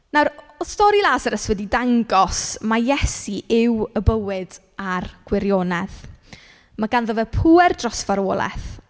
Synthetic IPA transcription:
nawɾ | ɔstɔɾilˠasəɾəswɛdidaŋɡɔsmajɛsiʔɪwəbəwɨd̥ | arɡ̥wɪɾjoːnɛð | maɡanðəvɛpʰuːɛrdrɔsfaɾoːlˠɛ̰θ

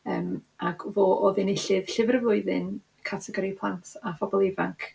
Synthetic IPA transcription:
əːmaɡʰvoːʔoðɪnɪɬɨðɬɪvərvʊɨðɪn | kʰatʰɛɡɔɾipʰlˠantʰafɔbɔlˠɪvaŋkʰ

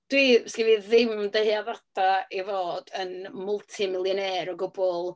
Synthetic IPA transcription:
d̥wiːskriviðɪmdəhɨaðadaivoːdənmʊlˠtʰimɪlˠjɔneɾɔɡʊbʊlˠ

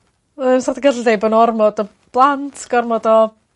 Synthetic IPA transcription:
əmsɔrdəɡədlɪdejbənɔrmɔdɔ | b̥lˠantʰɡ̥ɔrmɔdɔ

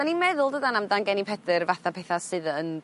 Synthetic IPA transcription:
animɛðʊlˠdədanamdanɡɛnipʰɛdɨrvaθapʰɛθasɨðən

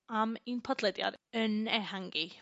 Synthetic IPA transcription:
aminpʰɔdlˠɛdja̰ɾənɛhaŋɡi

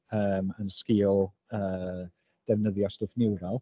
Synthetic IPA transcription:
əːmənskiːʊlˠ | əː | d̥ɛvnəðjɔstəfnɪwɾalˠ

